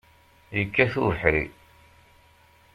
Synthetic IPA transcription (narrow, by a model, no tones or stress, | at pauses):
jəkːæθuəħɾḭ